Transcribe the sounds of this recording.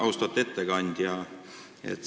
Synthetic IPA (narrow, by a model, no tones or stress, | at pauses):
ɑwst̪ɑt̪ːˑe̞t̪ːe̞ɡɑnʲd̪̥jɑ | ḛt̪ːˑ